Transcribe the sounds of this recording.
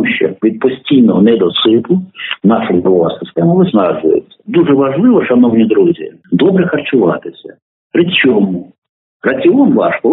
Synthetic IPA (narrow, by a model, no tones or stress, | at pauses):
ʃt͡ʃɛ̰ʋʲid̪̚pɔsʲtʲijnɔɦɔnɛd̪ɔt̪sɪpʊnɑʃʊjbɔʋɔɦɐsɪst̪ɛmɐʋɪznɑʒʊ̰jɪ̰t͡sʲːɐ̥d̪uʐɛʋɐʒlˠɪʋɔʃɐnɔwnʲid̪ɾuzʲi | d̪ɔbɾɛxɐrt͡ʃʊʋɑ̰t̪ɪsʲɐ̰ | pɾɪt͡ʃʲɔmu | rɐt͡sʲiɔnʋɑʃkɔ